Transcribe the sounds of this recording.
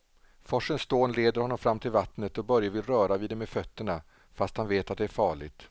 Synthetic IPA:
fɔʂːənst̪oːnleːd̪əɾhɔnːɔmfɾamːt̪ʰɪlvat̪nət̪ɔbœɾjavɪlɾœːɾaviːd̪ɛmeːfœt̪ːəɳa | fast̪hanveːt̪at̪̚d̪ɛæɾfɑːɭɪɡt̪

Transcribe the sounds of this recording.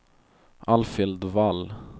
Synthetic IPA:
ʔalfɪld̪val

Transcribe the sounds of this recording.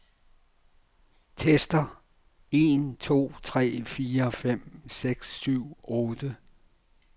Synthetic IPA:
t͡sʰesd̥ɐ | e̝nt͡sʰo̝̰ːt͡sʰʁɛ̰ːfiːɐfem̰seɡ̥sːyʊ̰ɔːd̥ə

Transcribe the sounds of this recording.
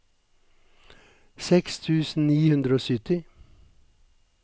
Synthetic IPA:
sɛkst̪ʰʉːsn̩niːhʉnd̪ɾəoːsʏt̪ɪ

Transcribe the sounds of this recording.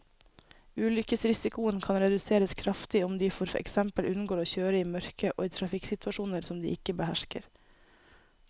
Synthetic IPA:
ʉːlʏkəsɾɪsɪkʊənkʰɑnɾɛd̪ʉseːɾəskʰɾɑft̪ɪʊmd̪iːfɔɾɛ̰ksɛmpəlʔʉnn̩ɡoːɾoːçøːɾəiːmœɾkəʔo̰ːiːt̪ʰɾɑfɪksɪt̪ʉɑʃuːnəɾsɔmd̪ḭːʔɪkːəbəhæʃkə̰ɾ

